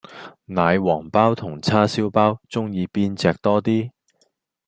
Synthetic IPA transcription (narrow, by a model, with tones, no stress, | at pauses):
naː˨˧jwɔː˨˩ŋpaː˥wt̪ʰʊ˨˩ŋt͡sʰaː˥siː˥wpaː˥wt͡sʊ˥ŋjiː˨˧piː˥nt͡sɛː˧k̚t̪ɔː˥t̪iː˥